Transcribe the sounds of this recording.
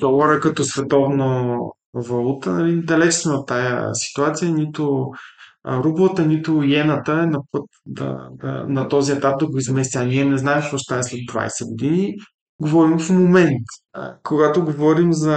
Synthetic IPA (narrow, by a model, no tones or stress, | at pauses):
d̪ɔvoɾəkɐt̪ɔsvɛt̪ɔvno | vɐlˠut̪ənɐlid̪ɐlɛt͡ʃsmɛot̪ːajə̰si̥t̪uat̪sijənit̪ʊ | ɾublˠət̪ənit̪ʊjɛnət̪əɛnɐpɤt̪d̪ɐ̰d̪ɐ̰nɐt̪ɔziɛt̪ap̚d̪ɐɡoizmɛst̪ʲəɐniɛnɛznaɛmpoʃt̪aɛslɛd̪̚d̪va̰jsɛɡod̪ini | ɡovɔɾimfmomɛnt̪koɡat̪oɡovɔɾimzɐ